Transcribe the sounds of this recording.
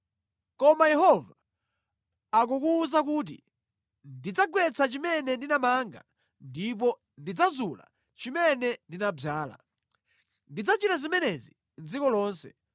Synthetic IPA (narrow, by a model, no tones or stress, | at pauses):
kɔmajɛɦɔva | ak̬ukuːzak̬ut̬ḭ | ndid͡zaɡwɛt͡sat͡ʃimɛnɛndinamaŋɡa̰ | ndip̬ɔ | ndid͡zazula̰ | t͡ʃimɛnɛndinabaːla̰ | ndid͡zat͡ʃitazimɛnɛzi | nd͡zikɔlɔːnsɛ̥